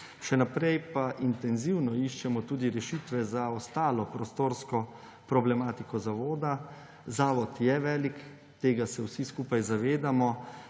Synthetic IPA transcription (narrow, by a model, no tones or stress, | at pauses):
ʃɛnapɾɛjpaʔint̪ɛnziwnɔiʃt͡ʃɛmɔt̪uːd̪iɾɛʃit̪ʋɛzaɔst̪aːlɔpɾɔst̪oːɾskɔ | pɾɔblɛmaːt̪ikɔzaʋoːd̪a | zaːʋɔt̪jɛʋɛːlik | t̪eːɡasɛwsiskuːpajzaʋeːd̪amɔ